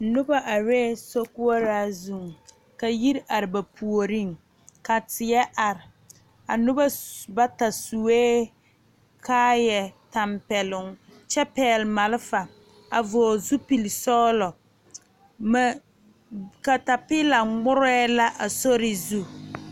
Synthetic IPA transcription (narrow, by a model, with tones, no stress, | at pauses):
nʊ˦ba˦ʔa˨ɾɛː˦so˦ku˦a˦ɾaː˦zu˦˨ŋ | ka˨ji˦ɾʔa˨ɾɪ˨ba˨pʰu˨o˨ɾi˦˨ŋ | ka˨tɪ˨jɛ˦ʔa˨ɾɪ˨ | a˨nʊ˦ba˦ba˦ta˨su˨weː˦ | kʰaː˦jɛ˨ta˨mpɛ˨lʊ˨ŋt͡ʃɛ˦pɛː˨lma˨lɪ˦fa˨ | a˨vɔ˨zu˦pi˨li˨sɔː˦lɔ˨˦ | ka˨ta˨pɪ˦la˨ŋ͡mʊ˦ɾɛ˦la˦ʔa˨so˦ɾɪ˨zu˦